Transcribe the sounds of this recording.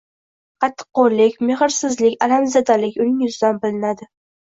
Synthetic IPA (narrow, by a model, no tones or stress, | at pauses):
qʰɑt̪ʰːɨ̥qːoɾlɪkʲmeχɪɾsɪzlɪkʲalamzad̪alɪkʲʊnɪŋjʊzɪd̪anbɪlɪnad̪ɪ